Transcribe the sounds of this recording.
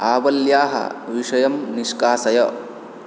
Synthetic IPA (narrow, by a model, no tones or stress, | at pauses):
aːʋɐljaːɦɐ̰ʋiʂɐjɐmniʃkaːsɐjɐ